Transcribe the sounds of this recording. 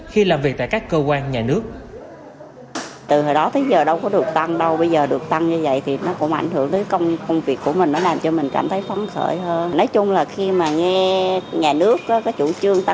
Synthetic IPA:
xi˧laː˨˩mvi˨˩k̚t̪a̰˧˨kaː˦˥kːəː˧kwaː˧nɲaː˨˩nɨ˦˥ək̚ | t̪ɨ˨˩həː˨˩jɗɔ˨˦t̪ʰə˨˦jzəː˨˩ɗə˧wkɔ˨˦ɗɨ˨˩ək̚t̪a˧ŋɗə˧wɓə˧jzəː˨˩ɗɨ˨˩ək̚t̪a˧ŋɲɨ˧və̰˧˨jt̪ʰi˨˩nɔ˨˦kʊ̰˧˥ŋ͡mʔa˧˩jŋ̟ɦɨ˧˩əŋt̪əː˨˦jkə˧wŋ͡mkə˧wŋ͡mvi˨˩əkːu˧˩əmï˨˩ŋ̟nːɔ˨˦laː˨˩mt͡ɕɔ˧mï˨˩ŋ̟kaː˧˩mt̪ʰə˨˦jt̪wa˨˦nxə̰ː˧˩jɦəː˧nnɔ˨˦jt͡ɕʊ˧ŋ͡mlaː˨˩xi˧maː˨˩ŋɛ˧ɲaː˨˩nɨ˦˥əkːɔː˨˦kaː˨˦jt͡ɕṵ˧˩t͡ɕɨ˧əŋt̪a˧

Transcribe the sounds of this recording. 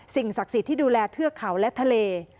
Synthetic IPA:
si˨˩ŋsa˨˩k̚si˨˦t̪ʰːiː˥˩duː˧lɛː˧t̪ʰɯ˥˩ɐkʰa˩˦wlɛ˦˥t̪ʰa˧leː˧

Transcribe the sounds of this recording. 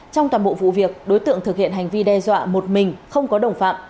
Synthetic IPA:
t͡ɕɔ˧wŋ͡mt̪waː˨˩nɓo̰˧˨vṵ˧˨vi˨˩ək̚ɗo˨˦jt̪ɨ̰˧˨əŋt̪ʰɨ˨˩k̚hḭ˧˨ənhɦa˨˩ŋ̟vi˧ɗɛ˧zwa̰ː˧˨mo˨˩t̚mï˨˩ŋ̟xə˧wŋ͡mkɔ˨˦ɗə˨˩wŋ͡mfa̰ː˧˨m

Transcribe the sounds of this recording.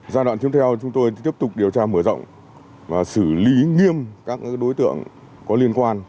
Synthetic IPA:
zaː˧ɗwaː˧˨nt̪i˨˦ə˥t̪ɛ˧wt͡ɕʊ˨˦ŋ͡mt̪o˧jt̪i˦˥əp̚t̪ʊ˨˩k͡p̚ɗi˨˩əwt͡ɕaː˧mɨ˧˩əzə̰˧˨wŋ͡m | vaː˨˩sɨ˧˩li˨˦ŋi˧əmkaː˦˥k̚ɗo˨˦jt̪ɨ̰˧˨əŋ | kɔ˨˦li˧ənkwaː˧n

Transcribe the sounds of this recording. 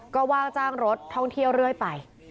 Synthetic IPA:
kɔː˥˩waː˥˩ŋt͡ɕaː˥˩ŋɾo˦˥t̪ʰːɔ˥˩ŋt̪ʰi˥˩əwɾɯ˥˩əjpa˨˩j

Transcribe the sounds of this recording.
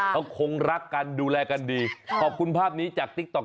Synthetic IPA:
a˧˩wkʰo˧ŋɾa˦˥kːa˧nduː˧lɛː˧ka˧ndiː˧kʰɔː˨˩p̚kʰu˧npʰaː˥˩p̚niː˦˥t͡ɕaː˨˩k̚t̪i˦˥k̚t̪ɔ˨˩

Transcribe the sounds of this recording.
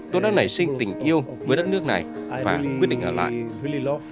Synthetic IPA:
t̪o˧jɗa̰ː˧˥na˧˩jsï˧ŋt̪ï˨˩ŋ̟ʔi˧əwvəː˨˦jɗə˦˥t̚nɨ˦˥ək̚na˨˩jvaː˨˩˨kwt̚ɗḭ̟˧˨ʔəː˧˩la̰ː˧˨i˧

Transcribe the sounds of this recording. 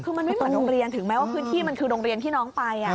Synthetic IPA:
kʰɯː˧ma˧nma˧˥˩jo˥˩˧ŋɾo˧ŋɾi˧ənt̪ʰɯ˨˩˦ŋmɛː˦˥waː˥˩pʰɯː˦˥nt̪ʰiː˥˩ma˧nkʰɯː˧ɾo˧ŋɾi˧ənt̪ʰiː˥˩nɔː˦˥ŋpa˧jʔa˨˩

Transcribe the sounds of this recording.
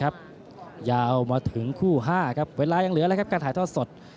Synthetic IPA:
a˦˥p̚ | jaː˧wmaː˧t̪ʰɯ˩˦ŋkʰuː˥˩ɦaː˥˩kʰa˦˥p̚weː˧laː˧ja˧ŋlɯ˨˩˦lːjkʰa˦˥p̚kaː˧nt̪ʰːt̪ʰɔː˥˩so˨˩t̪̚

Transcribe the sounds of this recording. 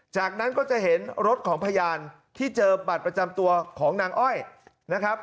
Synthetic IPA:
t͡ɕaː˨˩k̚na˦˥nkɔː˥˩t͡ɕa˨˩ʔɦe˩˦nɾo˦˥t̪̚kʰɔː˩˦ŋpʰa˧jaː˧n | t̪ʰiː˥˩t͡ɕɤː˧ba˨˩t̪̚pɾa˧t͡ɕa˧mt̪u˧ɐkʰɔː˩˦ŋnaː˧ŋʔɔ˥˩j | na˦˥kʰɾa˦˥p̚

